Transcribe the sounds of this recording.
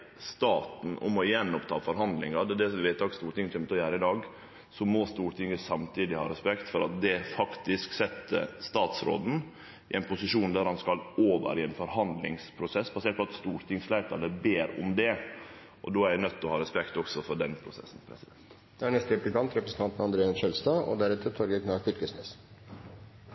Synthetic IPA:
st̪ɑːt̪n̩ʊ̰mɔjɛnːɔpt̪ʰɑ̰ːfɔɾɦɑnd̪lɪŋɑd̪ɛd̪ɛsɔʋɛɪt̪ːɑkst̪uːɾʈ̪ɪŋːt̪ɾɛmət̪ɔjæːɾəɪd̪ɑːɡ | sɔmɔst̪uːɾʈ̪ʰɪŋːəsɑmt̪ʰiːd̪ɪhɑ̰ːɾɛspɛkt̪fɔɾɑ̰t̪̚d̪ɛfɑkt̪ɪsksɛt̪ːə̰st̪ɑːt̪sɾo̰ːd̪n̩ | ɪʔɛɪnpʰʊsɪʂuːnd̪æɾhɑnskɑloːʋə̰ɾɪɛnfɔɾhɑnd̪lɪ̰ŋspʰɾʊsɛsːbɑseːʈ̚pɔɑt̪st̪uːɾʈ̪ʰɪŋslæɪt̪ʰɑlːəbeːɾʊ̰md̪ɛ | ʔɔ̰d̪oːæɾænœt̪ːɔhɑːɾɛspɛkt̪ɔksɔfɔɖɛnpʰɾʊsɛ̰sːn̩pʰɾɛsɪd̪ɛnt̪ | d̪̥ɛæɳɛst̪əɪplɪkʰɑnt̪ɾɛpɾəsn̩t̪ɑnt̪nɑnd̪ɾeːənʃœlst̪ɑːɔ̰d̪æɾɛt̪ət̪ʰɔɾɡəkʰnɑːɾfʏɾkəsmeːs

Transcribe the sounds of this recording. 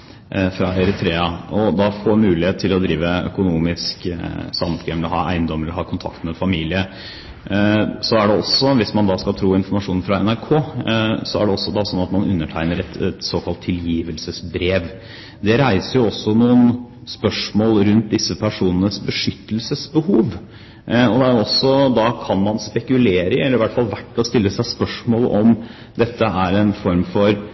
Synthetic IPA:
fɾɑɛɾɪt̪ʰɾeːɑɔd̪ɑfoːɾmʉːlɪheːt̪t̪ʰːɪlɔd̪ɾiːʋəœ̰kʊnuːmɪsksɑmskɛmɛlɔɦɑ̰ːʔæ̰ɪənd̪ɔmːəɾɔɦɑːkʰʊnt̪ʰɑ̰kt̪mɛfɑmiːlɪə | sɔæɖɛɔsːɔʋɪsmɑnd̪ɑskɑlt̪ʰɾuːɪnfɔɾmɑʂuːnfɾɑɛnæɾkʰoːsɔæ̰ɖɛɔsːɔd̪ɑsɔnːɑt̪mɑnʔʉ̰nːəʈʰæɪnəɾɛt̪ɛt̪soːkʰɑlt̪ʰːɪljiːʋəlsəsbɾeːʋ | d̪ɛɾæɪsəɾjʊɔsːɔnuːən | spœʂmoːlɾʉnt̪̚d̪ɪsːəpʰæʂuːnənəsbəʂʏt̪ːəlsəsbəhuːʋ | ɔd̪ɛæɾjʊɔsːɔd̪ɑkʰɑnmɑnspɛkʉleːɾəɛlːəɾʋæʈːfɑlʋæʈːɔst̪ɪlːəsæɪspœʂmoːl̰ʔɔm | d̪ɛt̪ʰːəæɾɛnfɔɾmfɔɾ

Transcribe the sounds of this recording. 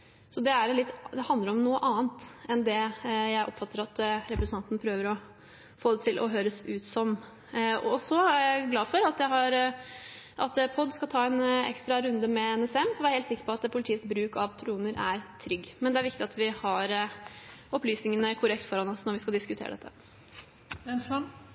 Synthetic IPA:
sɔd̪ɛæɾlɪt̪ːd̪ɛhɑnd̪əɾɔmnuːəʔɑːnt̪ɛnd̪ɛjæɪʔɔpfɑt̪ːəɾɑt̪ɾɛpɾəsənʰɑnt̪nəpʰɾøːʋəɾɔ | foːd̪ɛt̪ʰɪlʔɔ̰ɦøːɾəsʉːt̪sɔm | ɔsɔæææɪɡlɑːfɔɾɑt̪d̪æɪɦɑɾ | ʔɑt̪pʰɔd̪ːskɑlt̪ʰɑːɛnɛ̰kst̪ɾɑɾʉnd̪əmɛɛnɛsɛmsɔʋɛæɾhelt̪sɪkːəɾpʰɔɑt̪pʰʊlt̪ʰiːətsbɾʉːkɑʋt̪ʰɾuːnəɾʔæɾt̪ʰɾʏɡːmɛnd̪ɛæɾʋɪkt̪ɪɑt̪ʋɪhɑɾ | ɔplyːsnɪŋənəkʰʊɾɛk̚t̪fɔɾɑnɔsnɔɾʋɪskɑld̪ɪskʉt̪ʰḛːɾə̰ɛ̰t̪ːə | ɛns

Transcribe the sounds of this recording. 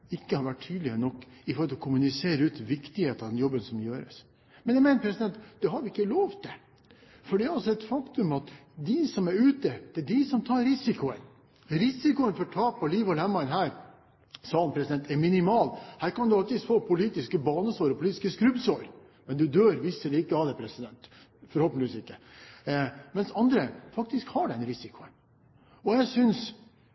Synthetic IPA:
ɪkːəhɑɾʋæʈ̚ʰyːd̪lɪnɔkːɪfɔɾɔlɔkʰʊmʉnɪseːɾəʉːt̪ʋɪkt̪ɪheːt̪əɑd̪ɛnjɔbːənsɔmjøːɾə̰s | mɛnjæɪmeɪnəpʰɾɛsɪd̪ɛnt̪d̪ɛɦɑɾʋɪɪkːəloːʋt̪̚d̪ɛ | fɔɖɛɾɑlsɔɛt̪fɑkt̪ʉmɑt̪d̪ɪsɔmæɾʉːt̪əd̪̥ɛɖɪsɔmt̪ʰɑːɾɾɪsɪkʊən | ɾɪsɪkʊənfɔɾʈʰɑːpːɔliːʋɔlɛmːɑɪənɦæːɾ | sɑːnpʰɾɛsɪd̪ɛnt̪ɛɾmɪnɪmɑːlhæːɾkɑnd̪ʉɑlt̪ɪːd̪foːpʰʊliːt̪ɪskəbɑːnəsoːɾɔpʰʊliːt̪ɪ̥skəskɾʉbsoːɾ | mɛnd̪ʉd̪øːɾʋisːəɖɛɪkːəɑʋd̪ɛpʰɾɛsɪd̪ɛnt̪ | fɔɾhɔːpənɪsɪkːə | mɛnsɑnd̪ɾəfɑk̚t̪ɪskhɑɖɛnɾɪsɪkʰʊən | ɔjæɪsʏns

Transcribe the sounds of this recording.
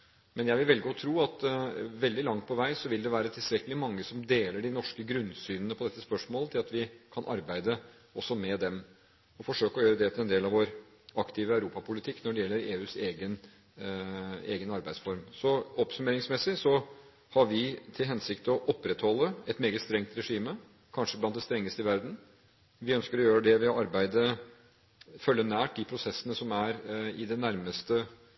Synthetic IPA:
mɛnjæɪʋɪlʋɛlɡəɔt̪ʰɾuːɑt̪ʋɛld̪ɪlɑŋt̪̚pʰɔʋæɪsɔʋɪld̪ɛʋæːɾət̪ʰɪlst̪ɾɛkːəlɪmɑŋːəsɔmd̪eːləɖɪnɔʂkəɡɾʉnsyːnənəpʰɔd̪ɛt̪ːəspœʂmoːlət̪ʰɪlɑt̪ʋɪkʰɑnʔɑɾbæɪd̪ə | ɔsːɔmɛd̪ɛm | ɔfɔʂøːkəɔjøːɾəd̪ɛt̪ʰɪlɛnd̪eːlɑʋoɾ | ɑkt̪ʰɪːʋəœʉɾuːpɑpʰʊlɪt̪ʰɪkːnɔɖɛjɛlːəɾeːʉːseːɡən | eːɡənɑɾbæɪsfɔɾmsɔɔpsʉmeːɾɪŋsmɛsɪsɔ | hɑɾʋɪt̪ʰɪlɦɛnsɪkt̪ɔʔɔpːɾɛt̪hɔlːəɛt̪meːɡət̪st̪ɾɛŋt̪ɾɛʂiːmə | kʰɑnʂəblɑnt̪̚d̪ɛst̪ɾɛŋːəst̪əɪʋæɾd̪n̩ | ʋɪœnskəɾɔjøːɾəd̪ɛʋɪɑɾbæɪd̪ə | fœlːənæːʈ̚d̪ɪpʰɾʊsɛsːənəsɔmæɾɪd̪ɛnːæɾməst̪ə

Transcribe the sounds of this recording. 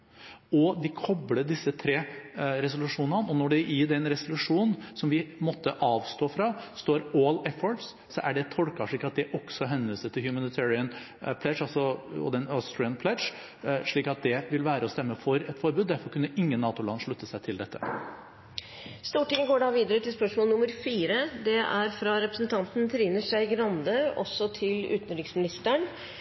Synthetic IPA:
ɔd̪ɪkʰɔbləd̪ɪsːət̪ʰɾeːɾɛsʊlʉʂuːnənɔnɔɖɛɪɖ̪ɛnɾɛsʊlʉʂuːnsɔmʋɪmɔt̪ːəʔɑːʋst̪oːfɾɑːst̪oːɾoːlɛfɔɹs | sɔʔæɖɛt̪ʰɔlkɑʂɭiːkɑt̪̚d̪ɛʔɔksɔɦɛnʋiːsət̪ʰɪljʉmɑnɪt̪ʰɛːɹɪən | pʰlɛʂɑlsɔɔ̰d̪ɛnost̪ɾɪənpʰlɛʂ | ʂɭiːkɑt̪̚d̪ɛʋɪlʋæːɾəɔst̪ɛmːəfɔɾɛt̪fɔɾbʉːd̪d̪æɾfɔɾkʰʉnːəʔɪŋːənːɑːt̪ʊlɑnʂɭʉt̪ːəsæɪt̪ʰɪld̪ɛt̪ːə̥ | st̪uːʈɪŋːəɡoːɖɑːʋiːd̪əɾət̪ʰɪlspœʂmoːlnʊməɾfiːɾəd̪ɛæɾfɾɑɾɛpɾəsnt̪ʰɑnt̪n̩t̪ʰɾiːnəʂæɪɡɾɑnd̪əɔ̰sːɔt̪ʰɪlʉ̰ːt̪n̩ɾɪksmɪnɪst̪əɳ

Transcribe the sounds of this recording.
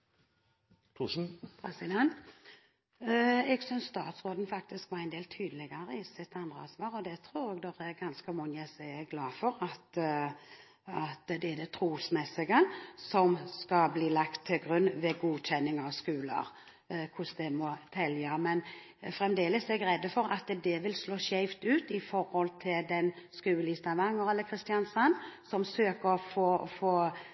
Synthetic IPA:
kʰuʂn̩pʰɾɛsɪd̪ɛnt̪ | ɛɡsœnsst̪ɑːt̪sʁoːd̪n̩fɑk̚t̪ɪskʋɑɾæɪnd̪eːlt̪ʰyːd̪əlɪɡəɾəɪsɪt̪ɑnd̪ɾəɑ̰sʋɑːɾɔd̪ɛt̪ʰɾuːɾɛɡd̪ɔʁɛɡɑnskəmɔŋəsɛɛɡlɑːfɔɾɑt̪ | ɑt̪d̪ɛɛd̪ɛt̪ʰɾuːsmɛsɪɡəsɔmskɑbliːlɑkt̪ʰːɪlɡɾʉnːʋɛɡuːɕɛnːɪŋɑʋskʉːlə̰ɾ | kʰʊsd̪ɛmɔt̪ʰɛljəmɛn | fɾɛmd̪eːləsɛɛɡɾɛd̪ːəfɔɾɑt̪d̪ɛʋɪlsloːɕæɪʋt̪ʉːt̪ɪfɔɾhɔlt̪ʰɪld̪ɛnskʉːəlɪːst̪ɑʋɑŋːəɾɛlːəkʰɾɪst̪ɪjɑnsɑnːsɔmsøːkəɾɔfoːfoː

